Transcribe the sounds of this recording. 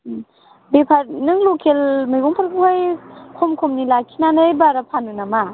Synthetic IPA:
bepʰaɾnɯŋlokʰelmɯjɡɔŋpʰaɾkʰajkʰɔmkʰomnilakʰinanɯjbaɾapʰanunama

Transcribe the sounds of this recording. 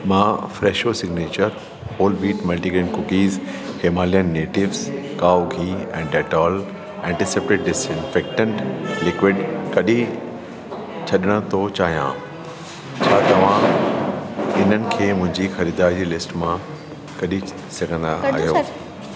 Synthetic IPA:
mãːfɾɛːʃosɪɡneːt͡ɕəɾ | hoːlbiːʈmɐlʈiɡẽɳkʊkiːzheːmaːlijənːeːʈɪʋzkaːoɡʱiːɛ̃ːɖɛːʈɔːl | ɛ̃ːɳʈɪsepʈɪʈ̚ɖɪsɪ̃nfeːk̚ʈə̃ɳʈlɪkʋɪɖkɐɗĩ | t͡ɕʰɐɗɪɽ̃ət̪ʰot͡ɕaːɦijã̰ | t͡ɕʰaːt̪ɐʋ̤ã | ɪn̤ənɪ̆kʰeːmʊ̃ɦɪ̃ɲd͡ʑixɐɾiːd̪aːɾid͡ʑilɪsʈmã | kɐɗi | sɐɡʱə̃nd̪aa̰ːɦɦjo

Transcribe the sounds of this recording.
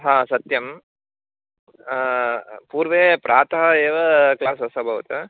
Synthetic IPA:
ɦãːsɐt̪jɐm | puːɾʋeːpɾaːt̪ɐɦɐeːʋɐklaːsɐsɐbʱɐʋɐt̪ɨ

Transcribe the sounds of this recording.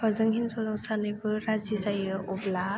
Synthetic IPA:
pazɯŋɦinzɔzɔŋsanɯjbɯɾazizajɯʔɔbla

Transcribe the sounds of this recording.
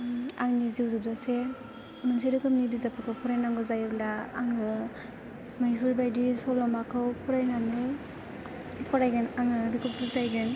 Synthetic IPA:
aŋniziwzɯb̚zase | mɯns̬edɯkɯmnibizapʰakʰɯwpʰɔɾajnaŋɡɯzajɯblaːŋɯ | mɯjɦɯɾbajdisɔlɔmbakʰɯwpʰɔɾajnanɯ | pʰɔɾajɡenaŋɯbikʰup̚ɾuzajɡen

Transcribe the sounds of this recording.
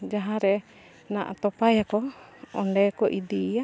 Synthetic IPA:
d͡ʒaɦãɾɛ | naʔt̪ɔpajakɔɔɳɖɛkɔʔid̪ija

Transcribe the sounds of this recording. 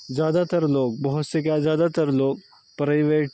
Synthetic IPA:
zjad̪at̪əɾloːk̚bəɦut̪sek̬jazjaːd̪at̪əɾloːk̚ | pɾaɪʋeʈ

